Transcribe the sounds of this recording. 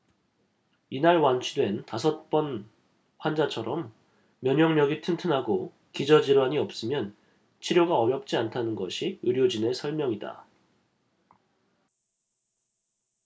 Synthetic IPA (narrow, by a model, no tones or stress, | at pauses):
inaɭwant͡ɕʰudwe̞ntasʰʌt̚p͈ʌn | ɸwand͡ʑat͡ɕʰʌɾʔʌmː | jʌɲʌŋmjʌɡitʰɯntʰɯnɦaɡo | kid͡ʑʌd͡ʑiɾwaɲiʌp̚s͈ɯmjʌn | t͡ɕʰiɾjoɡaʌɾjʌp̚t͡ɕ͈iantʰanɯnɡʌ̰ɕʰiɯɾjod͡ʑine̞sʰʌɭmjʌŋida̰